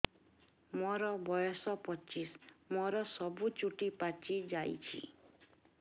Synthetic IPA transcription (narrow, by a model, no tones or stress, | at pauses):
mɔɾɔbɔjɔsɔpɔt͡ʃismɔɾɔsɔbut͡ʃuʈipat͡ʃid͡ʒajt͡ʃʰḭ